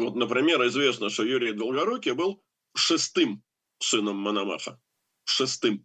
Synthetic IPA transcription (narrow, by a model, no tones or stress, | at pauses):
vot̪nəpɾʲɪmʲe̞ɾɪzvʲe̞snəʂt̪ojuɾʲɪjd̪ʲɪlˠɡɐɾokʲɪəbɨlˠ | ʂɨst̪ɨm | sɨnəmːənɐma̰xə̰ | ʂɨst̪ɨm